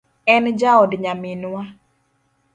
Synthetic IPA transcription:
ɛnd͡ʒaɔdɲamɪnwa

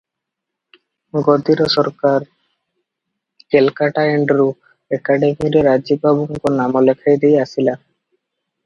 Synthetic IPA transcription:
ɡod̪iɾoʃɔɾkaɾ | kelkaʈaeɳɖɾu | ekaɖemiɾeɾad͡ʑibabuŋkonamolekʰajd̪ijasʰila

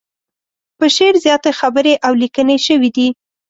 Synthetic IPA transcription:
pəʃeɾzjɑt̪exabəɾeʔawlikəneʃəwid̪i

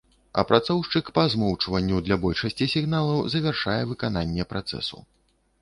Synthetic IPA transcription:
ɐ̰pɾat̪sɔwʂt͡ʂɨkpɐzmɔwt͡ʂvɐnʲːud̪lʲɐbɔlʲʂɐsʲt͡sʲisʲiɣnalˠɐwzɐvʲarʂajɛvɨkan̪anʲːɛpɾat̪sɛ̰sṵ

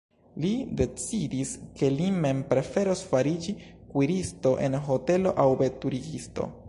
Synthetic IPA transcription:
lide̞t͡sidiske̞lime̞mpɾe̞fe̞ɾosfaɾid͡ʒikwiɾisto̞ʔe̞nɦo̞te̞lo̞ʔawbe̞tuɾiɡisto̞̰

